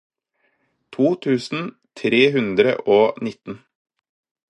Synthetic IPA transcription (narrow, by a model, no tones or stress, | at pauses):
t̪ʰuːt̪ʰʉːsn̩ | t̪ʰɾeːɦʉnd̪ɾə̰ʔoːnɪt̪n̩